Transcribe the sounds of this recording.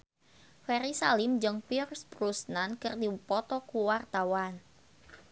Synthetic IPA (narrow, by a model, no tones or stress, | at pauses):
fɛɾisalimd͡ʒəŋpirsprusnankɨrdipɔt̪ɔkuwart̪awan